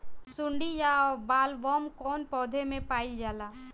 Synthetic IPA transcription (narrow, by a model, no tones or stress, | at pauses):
sʊɳɖijaɔːbaːlʋɔːmkɔːnpɔːd̪ʱemẽpaːid͡ʒaːlaː